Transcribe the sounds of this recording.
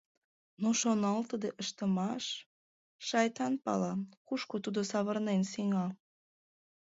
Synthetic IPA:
noʃonɑlt̪əd̪eʔəʃt̪əmɑʃ | ʃɑjt̪ɑnpɑ̰lɑkuʃkot̪ud̪osɑβərnensiŋɑ

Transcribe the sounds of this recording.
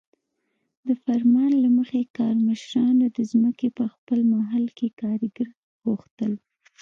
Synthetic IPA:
d̪əfaɾmɑnlaməxekɑɾməʃɾɑnod̪əzməkepəxpəlmaɦalkekɑɾəɡəɾ | ɣuxt̪əl

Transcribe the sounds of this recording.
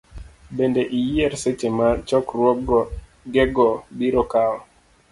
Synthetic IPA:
bendeʔijiɛɾset͡ʃemat͡ʃɔkɾwɔɡɔ | ɡɛɡɔbiɾɔkaɔ

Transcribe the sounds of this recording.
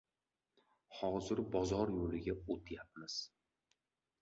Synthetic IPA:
hɒzɪɾbɒzɒɾjolɪɡʲaot̪ʰjap̚mɪz̥

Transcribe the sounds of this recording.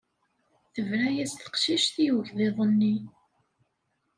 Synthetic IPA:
θəvɾæjæsθə̥qʃiʃθijwʝðeðˤənːi

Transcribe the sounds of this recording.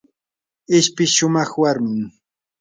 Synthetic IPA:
ɪʃpɪʃʊmɑχwaɾmɪŋ

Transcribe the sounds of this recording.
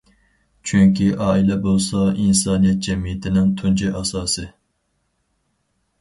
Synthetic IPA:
t͡ʃʰyŋkʲiʔɑːilɛbolˠsɑinsɑːnijɛt̪̚d͡ʒɛmijɪt̪ʰɪnɪŋt̪ʰund͡ʒɛʔɑsɑːsɨ

